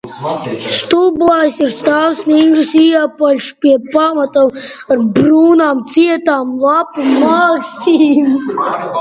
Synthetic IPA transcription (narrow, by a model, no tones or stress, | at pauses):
st̪ublˠaːjsiɾst̪awsniŋɡɾusiɛpalʲʃpʲiɛpamat̪am | aɾbɾuːnaːmt̪siɛt̪aːmlˠapumaːksiːm